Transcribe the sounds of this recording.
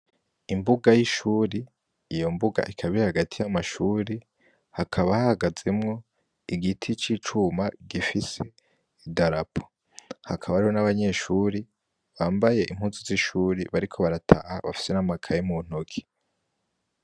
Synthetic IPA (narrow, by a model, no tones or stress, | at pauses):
imbuɡajiʃuːɾiː | jo̞mbuɡa̰ʔikʰaβiɾehaɡatʰijamaʃuːɾi | hakʰaβahahaɡaze̞mŋo̞ | iɡitʰit͡ʃit͡ʃumaɡifise̞ | idaɾapʰo̥ | hakʰaβaɾiho̞naβaɲe̞ːʃuːɾi | βaːmbaje̞ʔim̥huːnsiziʃuːɾiβaɾikʰo̞βaɾatʰa̰haβa̰fi̥se̞namakʰajemun̥okʰi̥